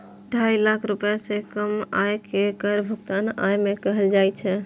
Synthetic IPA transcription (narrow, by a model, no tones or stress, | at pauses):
əɖʱʰajlakʰɾupjasẽkəmajkekəɾbʱuɡt̪ana̰jmekəɦəld͡ʒajt͡ʃʰɛ